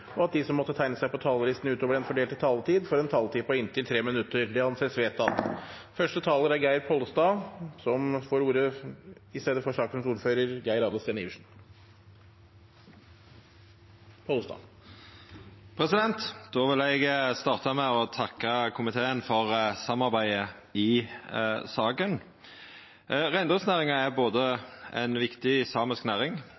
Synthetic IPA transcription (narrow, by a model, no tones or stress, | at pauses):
ɔɑt̪̚d̪isɔmːɔt̪ːət̪ʰæɪnəsæɪpɔt̪ʰɑːləlɪst̪n̩ʉːt̪oːʋəɾɛnfɔɖeːlt̪ɪt̪ʰɑːlət̪ʰiːd̪fɔɾɛnt̪ʰɑːlt̪iːpʰɔɪnt̪ʰɪlt̪ʰɾeːmɪnʉt̪ːəɾd̪ɛɑnseːsʋeːt̪ɑt̪ | fœʂʈət̪ʰɑːləɾæɾɡæɪɾpʰɔlst̪ɑːsɔmfoːɾuːɾəɪst̪eːd̪əfɔʂɑːklənsuːɾføːɾəɾɡæɪɾɑːd̪ɔst̪eːniːʋʂn̩ | pʰɔlst̪ɑ̰ː | pʰɾɛsɪd̪ɛnt̪d̪̥oːʋɪlɛɡst̪ɑːʁt̪ɑmɛɔt̪ʰɑkːəkʰʊmɪt̪ʰeːənfɔʁsɑmːɑʁbæɪə | ɪ | sɑːkən | ʁæɪnd̪ʊŋsnæːʁɪŋɑæɾboːd̪əɛ̰nʋɪkt̪ɪsɑːməsknæːʁɪŋ